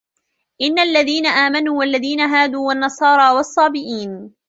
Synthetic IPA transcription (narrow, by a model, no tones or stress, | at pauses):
ʔɪnːaalːaðiːnaʔaːmanuːwalːaðiːnaɦaːd̪uːwanːɑsˤɑːɾˤɑːwɑsˤːɑːbɪʔiːn